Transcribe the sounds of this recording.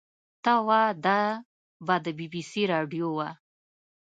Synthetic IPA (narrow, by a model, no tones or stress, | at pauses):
t̪awad̪a | bɑd̪əbibisiɾɑɖjowa